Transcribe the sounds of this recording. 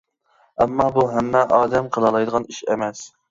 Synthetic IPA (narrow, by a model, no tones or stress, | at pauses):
ɛmːɑːbuɦɛmːɛʔɑːd̪ɛmqʰəlˠɑlˠɑjd̪əʁɑniʃɛmɛs